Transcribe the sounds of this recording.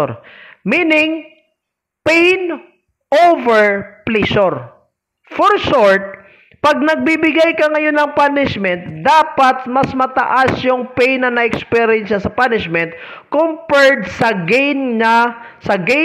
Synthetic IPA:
ɾminɪŋ | pɛjn | ʔovɛɹplisoɾ | fɔɹʃoɹt̪̚ | pɐɡ̚nɐɡ̚bibɪɡajkɐŋɐjo̞nːɐŋpanɪʃmɛnt̪̚d̪aːpɐt̪mɐsmɐt̪ɐ̰ʔasjʊŋpɛjnːɐnɐʔɛkspɛɾɪɛnʃɐsɐpanɪʃmɛnt̪̚ | kompɛɹd̪sɐɡnɐsɐɡɛ

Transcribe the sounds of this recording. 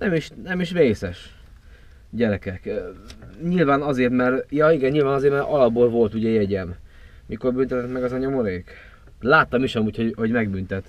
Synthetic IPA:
nɛmiʃnɛmiʃreːsɛʃ | ɟɛɾɛkɛkː | ɲilvaːnɒzeːrt̪mɛrjɒiɡɛnɲilvaːnɒzeːɾt̪mɛɾʔɒlɒbbolvo̞lt̪uɟɛjɛɟɛm | miko̞rbynt̪ɛt̪ɛt̪mɛɡɒzɒɲomo̞ɾeːk | laːt̪ːɒmiʃɛmuːcho̞ɦo̞ɟmɛɡbynt̪ɛt̪

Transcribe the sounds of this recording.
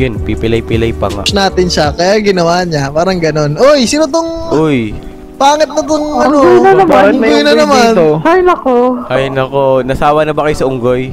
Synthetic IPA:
jonpipɪlɐjpɪlɐjpɐŋa̰naːt̪ɪnʃɐkɐjaɡɪnɐwaːɲapaːɾɐŋɡɐno̞nʔojsinot̪oŋʔoj | paːŋɪt̪̚nɐt̪oŋɐnoojnɐnɐmŋɡojnɐnɐmanoɐjnɐkoɐjnɐkonɐsaːwɐnɐbɐkɐjosɐʔʊŋɡoj

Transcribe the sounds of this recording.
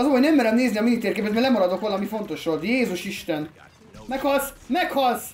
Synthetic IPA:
ɒzomonɛmːɛɾɛmneːzniɒminit̪eːɾkeːpɛet̪mɛlɛmɒɾɒd̪o̞kʋɒlɒmifo̞nt̪o̞ʃʋo̞lt̪jeːzuʃiʃt̪ɛn | mɛkhɒlsmɛkhɒls

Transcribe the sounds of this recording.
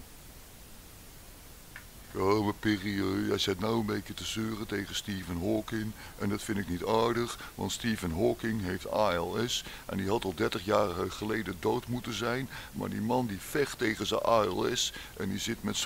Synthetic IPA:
koməpiːriøːjɛjsɛt̚nawəmbejkətəsøːrətejɣəstiːvənɦɔːkɪŋʔɛndɑtfɪntɪknitaːɹdəχʋɑ̰ntstiːvənɦɔːkɪŋɦejftaːɛlˠɛsʔɛ̰ndiɦɑtɑlˠdɛɹtəχjaːrəəχəlejdədoːtmutəzɛjnma̰ːɹdimɑndifɛχtejχəzə̰ʔaːɛ̰lˠɛ̰sʔɛ̰ndizɪtmɛts

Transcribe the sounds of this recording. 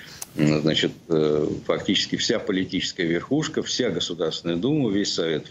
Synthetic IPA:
znat͡ɕɪt̪fɐktʲit͡ɕɪskʲɪfsʲapəlʲɪtʲit͡ɕɪ̥skəjəvʲɪrxuʂkəfsʲaɡəsʊd̪aɾsʲɪnəjəd̪uməvʲesʲsɐvʲe̞t̪

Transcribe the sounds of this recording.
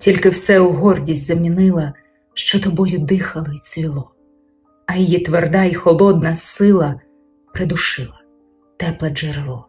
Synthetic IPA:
tʲilʲkɪwsɛuɦɔrdʲisʲtʲzɐmʲinɪlˠɐ | ʃt͡ʃɔt̪ɔbɔjʊd̪ɪxɐlˠɔit͡sʲilˠɔ | ɐjijit̪ʋerd̪ɑixɔlˠɔd̪̚nɐsɪlˠɐ | pɾed̪ʊʃɪlˠɐ | t̪ɛplˠɐd͡ʒeɾelˠɔ

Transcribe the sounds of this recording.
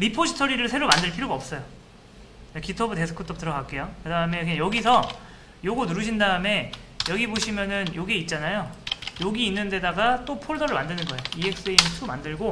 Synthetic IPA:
ɾipʰoɕʰitʰʌɾiɾɯɭsʰe̞ɾomandɯɭpʰiɾjoɡaʌp̚s͈ʌjo | ekitʰʌbute̞sʰɯ̥kʰɯtʰʌp̚t͈ɯɾʌɡak͈e̞jokɯdaɯme̞kejʌɡisʰʌ | joɡonuɾɯɕʰindaɯme̞jʌɡiboɕʰimjʌnɯnjoɡeit̚t͡ɕ͈anajojoɡiːnːɯnde̞daɡat͈opʰoɭdʌɾɯɭmandɯnɯnɡʌe̞joie̞k̚s͈ɯeimisʰumandɯɭɡo

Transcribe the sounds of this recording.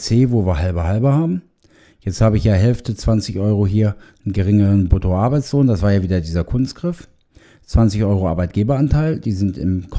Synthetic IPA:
t͡seːvoːviːɐɦalbɐɦalbɐhaːbm̩ | jɛt͡sthaːbəɪçjaːɦɛlftət͡sv̥ant͡sɪçʔɔʏʁoɦiːɐ | nɡəʁɪŋəʁənbotʰoʔaɐbaɪt͡sloːndasv̥aːɐjaːviːdɐdiːzɐkʰʊnstɡ̥ʁɪf | t͡sv̥ant͡sɪçʔɔʏʁoʔa̰ːɐbaɪt̚ɡ̥eːbɐantʰaɪld̥iːzɪntɪ̰mkʰ

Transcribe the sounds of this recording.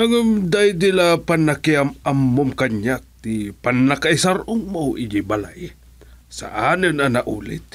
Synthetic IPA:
aŋəmd̪ajd̪ilapanakiamamːʊmkaɲak̚t̪ipanːakaisaɾʊŋmowʔid͡ʒibala̰ʔi | sa̰ʔanɨnanaʔṵːlɪ̰t̪̚

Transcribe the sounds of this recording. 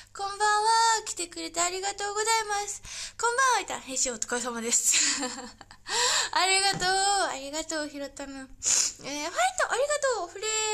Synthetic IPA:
kõ̞mbãɰ̃βakʲi̥t̪e̞kɯ̟ɾe̞t̪aːɾʲiɡat̪o̞ːɡo̞zaimasɨ̥kõ̞mbãɰ̃βait̪ã̰ɦẽɰ̃ɕiot̪ɨ̥kas̬amad̪e̞sɨ̥ | aɾʲiɡat̪oːaɾʲiɡat̪o̞ːçiɾot̪ːamɯeɸait̪ːoʔaɾʲiɡat̪oːɸɯ̟ɾe

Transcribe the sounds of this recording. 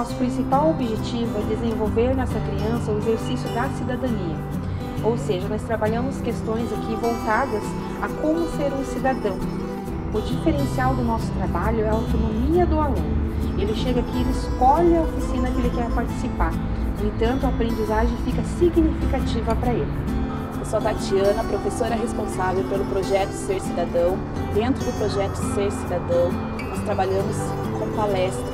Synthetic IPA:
ɔsʊ̥pɾĩsipawobiʒet͡ʃivʊɛd̪ezẽvowveɾnɛsɐkɾiɐ̃sɐʊezeɾsisjʊd̪ɐsid̪ad̪ɐ̃niɐ | owseʒɐnɔst̪ɾabaʎɐ̃mʊskest̪õj̃zakʰivowt̪ad̪ɐs | ɐkõmʊseɾũsid̪ad̪ɐ̃w̃ | ʊd͡ʒifeɾẽsiawd̪ʊnɔsʊ̥t̪ɾabaʎʊɛɐawt̪onomiɐd̪ʊalũnʊelɪʃeɡɐkɪelɪɪskoʎɐofisĩnɐkɪelɪkɛɾpaɾt͡ʃi̥sipaɾ | nʊ̃ẽt̪ɐ̃nt̪ʊapɾẽnd͡ʒizaʒẽj̃fikɐsiɡnifikat͡ʃivɐpɾɐelɪ | pesoɐt̪at͡ʃiɐ̃nɐpɾofesoɾɛɦespõsavewpelʊpɾoʒɛt̪ʊ̥seɾsid̪ad̪ɐ̃w̃ | d̪ẽnt̪ɾʊd̪ʊpɾoʒɛt̪ʊseɾsid̪ad̪ɐ̃w̃ | nɔst̪ɾabaʎɐ̃mʊs | kõpalɛst̪ɾɐ

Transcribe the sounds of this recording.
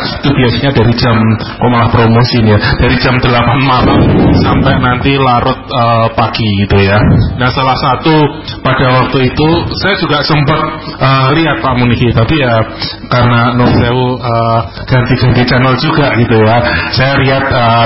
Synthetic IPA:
t̪ub̥iasiɲadaɾi̥d͡ʒamkɔʔmalahpɾomosinad̥aɾi̥d͡ʒamdəlapanmalamsampɛjnant̪ilaɾʊt̪̚əːpaɡ̥iɡit̪ujanahsalahsat̪u | pad̥awak̚t̪uit̪usajad͡ʒuɡaʔsəmpət̪̚ʔəːliat̪̚paʔmunikit̪apija | kaɾənanoseuə | ɡ̥ant̪iɡ̥ant̪it͡ʃɛnəld͡ʒuɡ̥aʔɡ̥it̪ujasajaliat̪̚ə

